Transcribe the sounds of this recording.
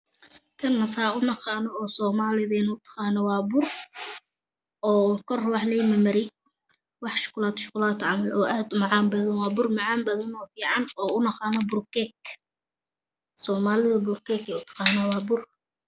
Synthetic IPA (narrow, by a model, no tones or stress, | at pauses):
kʰɐnːɐsaːʊnɐqɑːnɔɔːsɔːmaːlɪðɛːnʊt̪ʰɑ̥qɑːnɐwɑːbʊr | ʔɔːkʰɔrwɑħlɛjmɐmɐɾɛj | wɑħʃʊ̥kʊlaːt̪ʰʃʊ̥qʊlaːt̪ʰʕɑmɐlʔɔːʔaːd̪ʊmɑʕɑːmbɐðɐnwɑːbʊrmɑʕɑːmbɐðɐnɔːfiːʕɑnɔːʊnɐqɑːnɐbʊrkɛk | sɔːmaːlɪðɐbʊrkʰɛkʰɛʊt̪ʰɑ̥qɑːnɐwɑːbʊr